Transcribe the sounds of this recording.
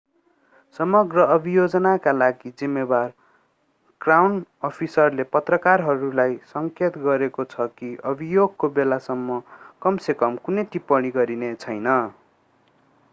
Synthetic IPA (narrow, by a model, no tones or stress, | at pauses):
sʌmʌɡrʌʌbʱijod͡zʌnakalaɡid͡zimːebar | krawnʌpʰisʌrlepʌt̪rʌkarɦʌɾulajsʌŋket̪ɡʌɾekot͡sʰʌkiʔʌbʱijoɡ̚kobelasʌmːʌkʌmsekʌmkunʌjt̪ipʌɽ̃iɡʌɾinet͡sʰʌjnʌ